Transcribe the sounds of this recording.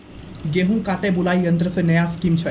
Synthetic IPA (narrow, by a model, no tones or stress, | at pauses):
ɡeɦũkaːʈebʊlaːiə̃nd̪ɾəsenəjaskimt͡ʃʰə